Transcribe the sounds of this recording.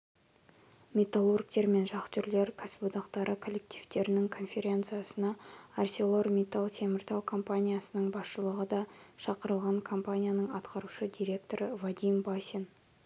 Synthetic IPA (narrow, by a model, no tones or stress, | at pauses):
mʲe̞t̪alˠurk̚t̪e̞ɾme̞nʒɑqt̪ʰʏɾle̞ɾkʰasbud̪ɑqt̪ɑɾʔəkʰo̞lːek̚t̪i̥ft̪e̞ɾɪnɪŋkʰo̞nfʲe̞ɾʲe̞nt̪sɨjasənɑarsʲolˠo̞rmʲet̪alˠt̪ʰe̞mɪɾt̪ɑwkʰo̞mpanʲijasənəɴbɑsʃəlˠəʁəd̪ɑʃɑqəɾəlˠʁɑŋkʰo̞mpanʲijanəɴɑt̪qɑɾuʃəd̪ʲijɾʲe̞k̚t̪o̞ɾəvad̪ʲijmbasʲen